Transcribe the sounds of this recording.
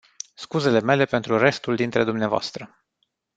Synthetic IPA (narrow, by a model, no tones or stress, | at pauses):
skuze̞le̞me̞le̞pe̞nt̪ɾure̞st̪uld̪int̪ɾe̞d̪umneavoa̰st̪ɾə